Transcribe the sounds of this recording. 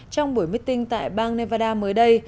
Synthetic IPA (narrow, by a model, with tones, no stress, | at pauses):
t͡ɕɔ˧wŋ͡mɓu˧˩əjmi˦˥k̚t̪ï˧ŋt̪a̰ː˧˨jɓaː˧ŋnɛ˧vaː˧ɗaː˧məː˨˦jɗə˧j